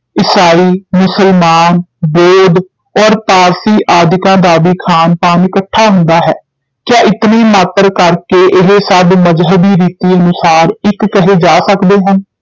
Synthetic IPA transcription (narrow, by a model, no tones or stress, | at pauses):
ɪsaːiːmʊsəlmaːnboːd̪ | ɔːɾpaːɾsiːʔaːd̪ɪkãːd̪aːbiːkʰaːnpaːnɪkəʈʰːaːɦʊ̃nd̪aːɦɛː | kjãːʔɪt̪niːmaːt̪əɾkəɾkeːʔɪɦesəbməzɦəbiːɾiːt̪iːənʊsaːɾɪkːəɦeːd͡ʒaːsəkd̪eːɦən